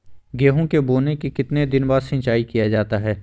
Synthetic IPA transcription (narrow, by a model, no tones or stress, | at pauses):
ɡeːɦõkeboːnekikɪt̪ned̪ɪnbaːɾsɪ̃nt͡ʃaːikijad͡ʒaːt̪aɦɛː